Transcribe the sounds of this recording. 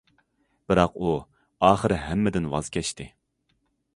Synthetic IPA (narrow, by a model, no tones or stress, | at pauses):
b̥ɪɾɑqu | ɑːχəɾɪɦɛmːɪd̪ɪnwɑ̰z̥kʲɛʃt̪ɪ